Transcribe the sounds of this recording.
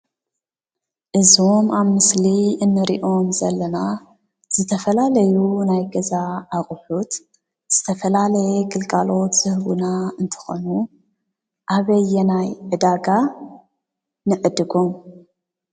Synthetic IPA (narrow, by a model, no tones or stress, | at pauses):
ʔɨzo̞maβmɨsliɨnːɨɾḭʔo̞mzɐlːɐna | z̥ɨt̪ʰɐfɐlalɐjunajɡɐzaːχʼħut̪ | z̥ɨt̪ʰɐfɐlalɐjɛɡɨlkʼalo̞t̪z̥ɨhβṵnaɨnt̪ʰɨ̥xonu | ʔaβɐjːɛnajʕɨd̪aɡa | nɨʕɨd̪ɨɡo̞m